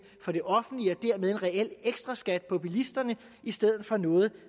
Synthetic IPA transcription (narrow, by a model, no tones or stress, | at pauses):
fɒ̽ɾ̥e̝ʔɒ̽fn̩d̥liɒd̥eɐmeð̞ˠe̝nʁɛel̰eɡ̥sd̥ʁɐ̈sɡ̥æd̥̚pʰɒpʰulisd̥ɐnə | isd̥eð̞̰ˠð̩ˠfɒ̽nɔ̽ːð̞̩ˠ